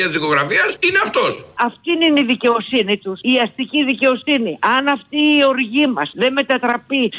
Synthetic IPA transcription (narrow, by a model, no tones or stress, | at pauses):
ɐt̪izðiko̞ɣɾɐfiɐsineɐft̪o̞sɐft̪ininiðice̞o̞sinit̪usiɐst̪iciðice̞o̞siniʔɐnɐft̪iːo̞ɾʝimɐsðe̞me̞t̪ɐt̪ɾɐpi